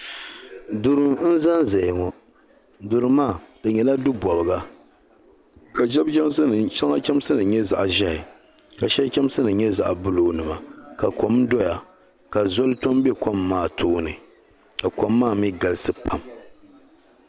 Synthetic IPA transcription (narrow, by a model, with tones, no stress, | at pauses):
dʊ˨ɾɨ˨mn̩˦za˦nzɛ˨ŋɔ˨ | dʊ˨ɾɨ˨maː˦˨dɨ˨ɲɛ˨la˦dʊ˦bɔ˨bɨ˨ɡa˦ | ka˨ʒɛ˦bɛ˦msʃa˦ŋa˦kʲɛ˦m˦sɨ˦nɨ˨ɲɛ˦za̰˨ʔʒɛ˦hɪ˨ | ka˨ʃɛ˦kʲɛ˦msɨ˦nɨ˨ɲɛ˦za˨ʔbʊ˦lo˨˦nɨ˨ma˨ka˨ko˨mdɔ˦ja˨ | ka˨zo˦lto˦mbɛ˦ko˦mːaː˦˨tʰoː˦nɨ˨ | ka˨ko˨˦mːaː˦˨mi˦ɡa˨lɨ˦sɨ˦pa˨m